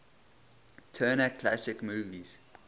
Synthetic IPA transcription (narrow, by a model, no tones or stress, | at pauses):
tʰɜːnat̚kʰlasɪkmuːɡiz̥